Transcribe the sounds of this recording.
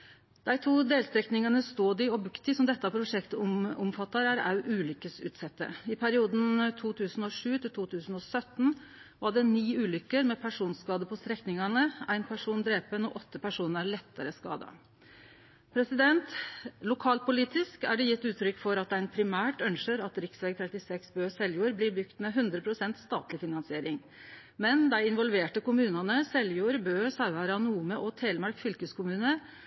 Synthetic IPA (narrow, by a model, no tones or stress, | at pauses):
d̪̥æɪt̪ʰuːd̪eːlst̪ɾɛknɪŋɑnəst̪oːd̪ɪɔbʉkt̪ɪsɔmd̪ɛt̪ːɑpʰɾʊʂɛkt̪ʊmfɑt̪ːɑɾæɾɑ̰ʉʔʉːlʏkːəsʉ̰ːt̪sɛt̪ːə̰ɪpʰæɾɪuːd̪n̩t̪ʰuːt̪ʰʉːsn̩ɔʂʉːt̪ʰɪlt̪ʰuːt̪ʰʉːsn̩ɔsœt̪ːn̩ | ʋɑɖɛniːʉːlʏkːəɾmɛpʰæʂuːnskɑːd̪əpʰɔst̪ɾɛknɪŋɑnəæɪnpʰæʂuːnd̪ɾeːpənɔʔɔt̪ːəpæʂuːnəɾæɾɭɛt̪ːəɾəskɑ̰ːd̪ɑ̰ | pʰɾɛsɪd̪ɛnt̪lʊkʰɑːl̚pʊliːt̪ɪskæɖɛjɪt̪ːʉːt̪ʰɾʏkːfɔɾɑt̪æɪnpʰɾɪmæːʈœnʃəɾɑt̪ɾɪksʋɛːɡ̚t̪ʰɾɛt̪ɪsɛksbøːsɛljuːəɾbliːɾbʏkt̪mɛɦʉnd̪ɾəpʰɾʊsɛnt̪st̪ɑ̰ːt̪lɪfɪnɑnsɪeːɾɪŋ | mɛnd̪æɪɪnʋɔlʋeːʈəkʊmʉːnɑnəsɛljuːəɾbøːsɑʉɑɾəɑnuːməʔɔt̪ʰeːlmɑɾkfʏlkəskʰʊmʉːnə